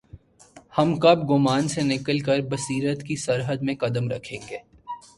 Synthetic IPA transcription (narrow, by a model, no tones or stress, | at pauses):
hɐmkɐbɡʊmaːnsenɪkəlkəɾbɐsiːɾət̪kisɐɾɦəd̪mẽkɐd̪əmɾɐ̰kʰẽːŋɡeː